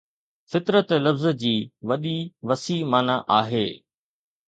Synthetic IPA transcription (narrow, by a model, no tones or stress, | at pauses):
fɪt̪ɾət̪lɐfz̆d͡ʑiːʋɐɗiʋɐsiːmaːnaʔaːɦeː